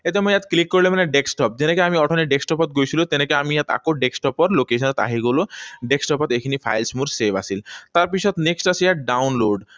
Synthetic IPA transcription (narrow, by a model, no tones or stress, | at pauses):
et̪emojjat̪klikːoɾlemanɛɖeksʈɔp̚d͡ʑenekeamiɔʈʰɔneɖeksʈɔpɔt̪ɡojt͡ɕʰilot̪enekea̰mijat̪a̰koɖeksʈɔpɔɾlokeʃɔnɔt̪a̰ɦiɡoloɖeksʈɔpɔt̪ekʰinipʰa̰jlsmuɾsebʱa̰silt̪aɾpit͡ʃʰɔt̪neksʈasijaʈɖawnloɖ